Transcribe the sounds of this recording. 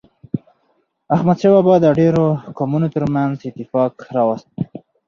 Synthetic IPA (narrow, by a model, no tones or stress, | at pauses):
axmad̪ʃewabɑd̪əɖeɾokɑmunot̪əɾmanzɪt̪ɪfɑkɾɑwast̪̚